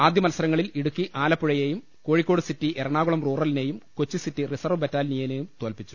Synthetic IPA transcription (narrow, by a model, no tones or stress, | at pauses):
aːd̪ʱjɐmɐlsɐɾɐŋːɐɭiliɽukːiʔaːlɐpːuɻɐjeːjum | ko̞ːɻikʲːo̞ːɽɨsitːiʔeɾɐɳaːɣuɭɐmruːrɐline̞ːjumko̞t͡ɕːisitːirisɐrʋɨpɐtːaːlnijɐne̞ːjumt̪oːlpit͡ɕːu̥